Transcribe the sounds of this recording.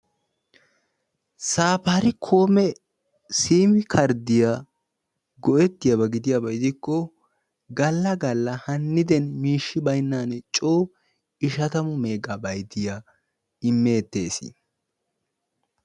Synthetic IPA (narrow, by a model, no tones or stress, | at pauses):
saːpɐɾɪkʰo̞ːmɛ | siːmɪkʰɐɾd̪ɪja | ɡɔʔɛt̪ːɪjabɐɡɪd̪ɪjabɐɪd̪ɪkːɔ | ɡɐlːɐɡɐlːɐhɐnːɪd̪ɛnmiːʃːɪbɐjnːaːnɛt͡ʃʼoː | ɪʃɐt̪ɐmʊme̞ːɡabɐjd̪ɪja | ɪmːeːt̪ːe̞ːsḭ